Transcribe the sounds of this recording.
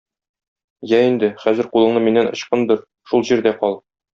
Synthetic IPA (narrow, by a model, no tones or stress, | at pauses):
jæind̪ɘχæzɘ̆ɾqulˠɤ̆ɴnɤminːænŏ̰ɕqɤnd̪ɤɾ | ʃulˠʑiɾd̪æqɒlˠ